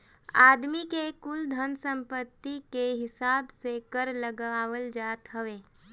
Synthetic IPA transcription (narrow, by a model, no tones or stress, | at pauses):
aːd̪mikekʊld̪ʱənsə̃mpət̪ːikeɦɪsaːbsekəɾləɡaʋəld͡ʒaːt̪ɦɐʋeː